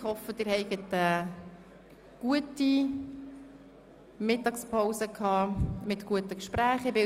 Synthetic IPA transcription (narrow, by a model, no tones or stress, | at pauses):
ɪχhɔfəd̥ɪːɾhɛɪɡətə | ɡ̥uəti | mɪtɑkspʰoʊsəkʰhɑːmɪt̪kuətəkʃpɾæːχɪbɪ